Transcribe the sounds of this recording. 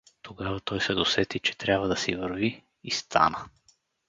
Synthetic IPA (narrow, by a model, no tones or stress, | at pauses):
t̪oɡavɐt̪ɔjsɛd̪osɛt̪it͡ʃɛ̥t̪ɾʲabvəd̪ɐsivəɾvi | ist̪ʰa̰nə